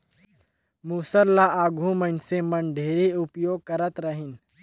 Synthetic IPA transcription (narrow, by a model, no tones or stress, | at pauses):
muːsəɾlːaaːɡʱũmənsemənɖʱeːɾiʊpjoːɡ̚kɐɾət̪ɾəɦɪn